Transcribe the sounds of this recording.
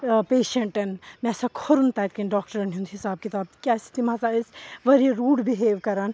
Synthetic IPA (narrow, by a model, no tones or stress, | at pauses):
peːʃeɳʈɐnmɛ̃sɐkʰoɾunt̪aːjt̪kɐnɖɔːk̚ʈɐɾɐnɦund̪ɦisaːb̚kit̪aːb̪̚kʲaːsi̥t̪imãzaesʋɐɾieɾuːɽbiɦeːʋkɐɾaːn